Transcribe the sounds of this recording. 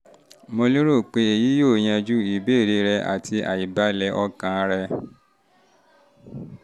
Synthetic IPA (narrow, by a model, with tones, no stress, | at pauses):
mo˧li˦ɾo˦˨k͡pe˧e˨ji˨˦jo˦˨j̃ã˧d͡ʒu˦i˨be˨˦˨ɾe˧˦ɾɛ˧ʔa̰˨tʰi˧a̰˨ji˨ba˦lɛ˧˦ʔɔ˧kã˨˧ɾɛ˧